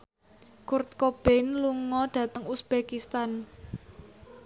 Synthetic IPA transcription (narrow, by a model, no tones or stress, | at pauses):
kurt̪̚kob̥ɛnluŋɔd̥ä̤t̪əŋusb̥ekist̪an